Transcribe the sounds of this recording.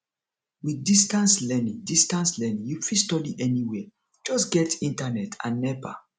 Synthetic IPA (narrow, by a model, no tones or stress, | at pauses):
widistãnslɛnĩdistãnslɛnĩjufistɔdiʔɛniwɛ | d͡ʒɔsɡɛtĩntanɛtʰã̰nːɛpa̰